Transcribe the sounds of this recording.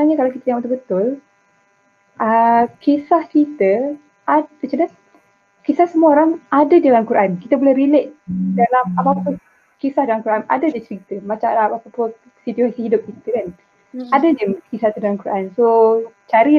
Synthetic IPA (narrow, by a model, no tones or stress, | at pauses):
aɲakalawkit̪əjãŋbət̪ʊbət̪ʊl | ʔəkʰesahkit̪ə | ʔapət͡ʃada | kesahsəmuaoɾaŋadadialamkuɾʔankit̪əbolɛhrilet̪̚dalamapapʊn | kesahdalamkuɾana̰dadət͡ʃəɾit̪əmat͡ʃaapapʊn | sit̪uasihɦidʊp̚kit̪əkan | adad͡ʒəmkisaht̪udalamkuɾansot͡ʃaɾi